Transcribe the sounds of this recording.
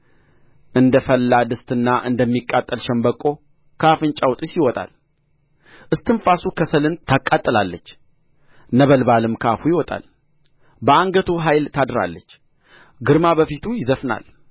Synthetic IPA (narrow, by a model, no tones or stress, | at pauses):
ʔɨnd̪əfəlːad̪ɨst̪ɨnːaʔɨnd̪əmːikʼːat̪ʼːəlʃɛmbəkʼːo̞ | kʰafɨnt͡ʃʼawt̪ʼɨsɪwɔt̪ʼa̰l | ʔɨst̪ʰɨnfasukʰəsəlɨnt̪ʰakʼːat̪ʼːəlalːət͡ʃː | nəβəlbalɨmkʰafujɪwɔt̪ʼa̰l | bəaŋɡət̪ʰoɦajlt̪ʰad̪ɨɾa̰lːət͡ʃː | ɡɨɾmabəfit̪ʰujɪzəfna̰l